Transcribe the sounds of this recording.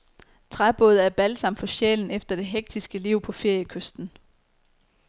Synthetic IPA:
t͡sʰʁab̥ɔːð̞ˠæɐb̥ælsɑ̈m̰d̥fɒ̽ɕḛln̩efd̥ɐd̥e̝ɦeɡ̥̚d̥isɡ̥əliʊ̰pʰɒ̽fe̝ɐ̰jəkʰøsd̥n̩

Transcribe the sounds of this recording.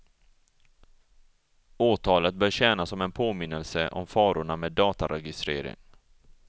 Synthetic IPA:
oːt̪ʰɑːlət̪̚bœːɾɕɛːnasɔmɛnpʰoːmɪnːəlsəʔɔ̰mfɑːɾʊɳameːd̪ːɑːt̪aɾɛɡɪst̪ɾḛːɾɪ̰ŋ

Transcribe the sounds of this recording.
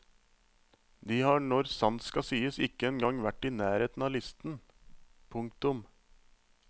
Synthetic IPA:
d̪iːhɑːɳɔɾsɑnskɑsyːəsɪkːəɛnɡɑŋʋæʈːiːnæːɾeːt̪n̩ɑːlɪst̪n̩ | pʰʊŋkt̪ʊm

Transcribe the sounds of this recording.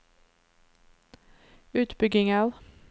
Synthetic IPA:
ʉːt̪bʏɡɪŋəl

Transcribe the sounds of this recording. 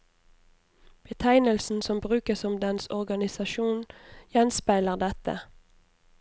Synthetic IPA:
b̥ət̪ʰæɪnəlsn̩sɔmbʁʉːkəsɔmd̪ɛnsɔʁɡɑnɪsɑʃuːnjɛnspæɪləʁd̪ɛt̪ə̰

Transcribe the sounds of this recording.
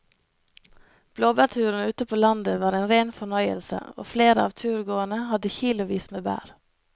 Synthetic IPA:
b̥loːbætʰʉːɾn̩ʉːt̪əpʰoːlɑnd̪əʋɑːɾeːnɾeːnfɔɳœʏə̰lsə̰o̰ːfleːɾəɑ̰ːʋt̪ʰʉːɾɡoːənəhɑd̪əçiːlʊʋiːsmeːbæ̰ːɾ

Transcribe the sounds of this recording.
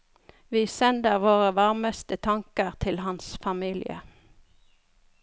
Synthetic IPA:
ʋiːsɛnd̪əʁʋoːʁəʋɑʁməst̪ət̪ʰɑŋkəʁt̪ʰɪlhɑnsfɑmiːlɪə̰

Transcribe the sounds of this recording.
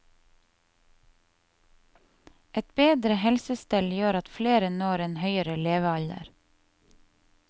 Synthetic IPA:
ɛt̪beːd̪ɾəhɛlsəst̪ɛljøːɾɑt̪fleːɾənoːɾeːnhœʏəɾəleːʋəɑʎə̰ɾ

